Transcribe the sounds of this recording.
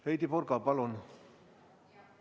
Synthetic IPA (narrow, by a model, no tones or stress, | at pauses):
hejt̪iporkɑpɑlon